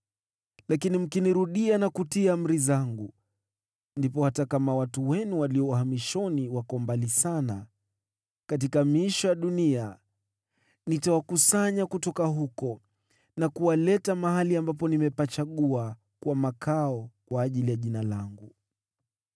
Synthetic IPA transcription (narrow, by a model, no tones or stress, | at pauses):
lakinim̩kiniɾuɗianakutiam̩ɾizaŋɡu | ndipɔhatakamawatuwɛnuwaliɔuhamiʃɔniwakɔmbalisana | kat̬ikamiʃɔjaɗunia | nitawakusaɲakutɔkaɦukɔ | nakuwalɛtamahaliambapɔnimɛpat͡ʃaɠua | kwamakʰaɔkwaːʄilijaʄinalaŋɡu